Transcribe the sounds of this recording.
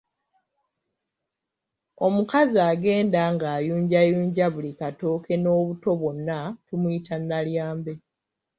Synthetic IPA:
o̞mukaziaːɡe̞ːndaŋɡaːjuːɲɟajuːɲɟaβulikato̞ːkʰe̞no̞ːβuto̞βonːatumuitʰanːaljaːmbe̞

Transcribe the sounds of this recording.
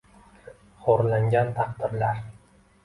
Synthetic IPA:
χoɾlaŋɡʲant̪ʰɑqd̪ɪɾlaɾ

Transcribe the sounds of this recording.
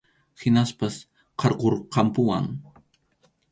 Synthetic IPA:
hɪnaspas | qʰɑɾqoɾqɑmpʊwa̰ŋ

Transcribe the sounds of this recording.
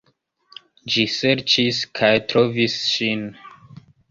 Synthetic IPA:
d͡ʒisɛɾt͡ʃiskʰajtɾovisʃin

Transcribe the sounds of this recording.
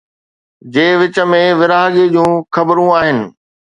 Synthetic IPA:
d͡ʑeːʋɪt͡ɕə̆mẽʋɪɾaːɦɠed͡ʑũːxɐbɾũaːɦɪnɪ̆

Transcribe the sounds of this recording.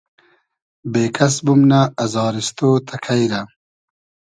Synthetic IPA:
beːkʰɐs̬bumnaːzɑːɾist̪oːt̪ʰakʰajɾɐ

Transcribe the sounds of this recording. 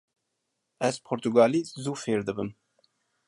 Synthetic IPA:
ɛz̥pʰoɾt̪uɡɑːlizuːfeːɾd̪ɨbɨm

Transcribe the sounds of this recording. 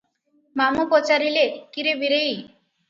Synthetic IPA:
mamupot͡ʃaɾilekiɾebiɾej

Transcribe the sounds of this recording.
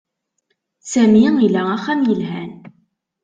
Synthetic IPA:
sæmiilææχːæmjəlɦæn

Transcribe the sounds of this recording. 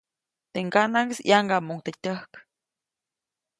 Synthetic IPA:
t̪eŋɡanaŋɡesjaŋɡamuŋt̪et̪ʲəhk

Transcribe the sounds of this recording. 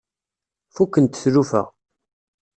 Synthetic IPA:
fukːənt̪ə̥θɾufə̰ʁ

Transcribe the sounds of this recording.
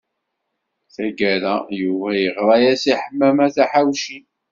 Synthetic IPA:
θæɡæɾæjuvæjəʁɾˤɑjæsiħəmːæmæθæħawʃi

